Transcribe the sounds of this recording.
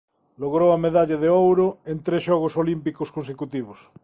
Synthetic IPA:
loɣɾowameðaʎaðeowɾoent̪ɾesʃɔɣ̞osolimpikoskonsekut̪iβ̞os

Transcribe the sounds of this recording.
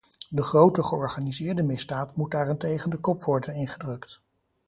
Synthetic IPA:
dəχrowtəχəɔɹχaːnizɪːɹdəmɪzdaːtmut̚daːrɪntejχəndəkɔpʋɔɹdənɪnχədrɵkt

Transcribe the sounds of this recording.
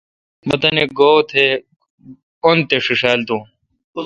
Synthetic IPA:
bɐt̪ɐneɡoːt̪ʰe | ont̪eʂiʂaːld̪ũː

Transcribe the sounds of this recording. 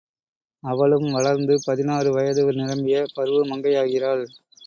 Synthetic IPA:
ɐʋɐɭɯmʋɐɭɐɾnd̪ɯpɐðɪnaːrɯʋɐjɐðɯʋɐɾnɪɾɐmbɪjɐpɐɾɯʋɯmɐŋɡɐjaːɣɪraːɭ

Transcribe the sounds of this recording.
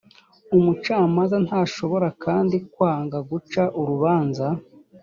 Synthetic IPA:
umut͡ʃaːmanzanhaːʃo̞βo̞ɾakʰaːndikwaːŋɡaɡut͡ʃaʔuɾuβaːnza

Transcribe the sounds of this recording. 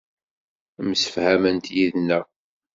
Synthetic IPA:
msə̥fhæmənt̪jiðnːæ

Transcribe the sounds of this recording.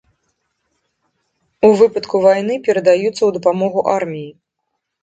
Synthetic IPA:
uvɨpɐt̪kuvajnɨpʲɛɾɐd̪ajut̪sːɐwd̪ɐpamɔɣuʔarmʲiji

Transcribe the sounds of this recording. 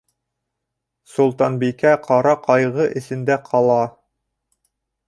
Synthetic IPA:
sulˠt̪ɑnbikæqʰɑɾɑqʰɑjʁɤʔɘ̆sɘ̆nd̪æqʰɑlˠɑ

